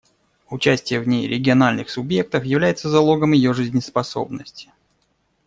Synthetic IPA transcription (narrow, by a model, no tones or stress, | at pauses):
ʊt͡ɕæsʲtʲɪjəvnʲejɾʲɪɡʲɪɐnalʲnɨxsʊbje̞k̚t̪əfjɪvlʲæjɪt̪səzɐlˠo̞ɡəmjɪjo̞ʐɨzʲnʲɪspɐso̞̰bnəsʲtʲɪ̥